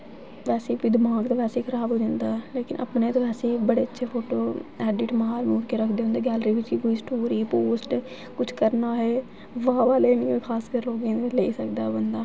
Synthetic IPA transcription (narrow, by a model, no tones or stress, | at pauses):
ʋɛːseːpid̪ɪmaːɡt̪ãːʋɛːseːkʰəɾaːbɦoːd͡ʒãːnd̪aːɛleːkɪnʔə̰pneːt̪õːʋɛːseːbəɽeːətːʃʰeːpʰoːʈoːɛːɖɪʈməɦaːɾmuːɾkeːɾəkʰd̪eːɦõnd̪eːɡɛːlɾiːʋɪt͡ʃkikoːiːsʈoːɾiːpoːsʈ | kʊt͡ʃʰkəɾnaːɦɛː | ʋaːʋaːleːnĩːẽːkʰaːskəɾloːɡẽːeleːisəkd̪aːbənd̪aː